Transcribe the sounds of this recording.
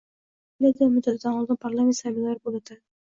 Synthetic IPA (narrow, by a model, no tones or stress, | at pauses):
ɪlʲad̪amʊd̪at̪d̪anɒlˠd̪ɪnpʰaɾlˠamʲet̪sabɪllaɾɪbolˠad̪a